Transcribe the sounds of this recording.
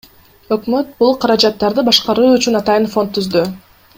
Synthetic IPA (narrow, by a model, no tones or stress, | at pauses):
ø̞kmø̞t̪̚bulˠqʰɑɾɑd͡ʒɑt̪ːɑɾd̪ɯbɑʃqɑɾuːyt͡ʃynɑt̪ɑjɯnfo̞nt̪ʰːyzd̪y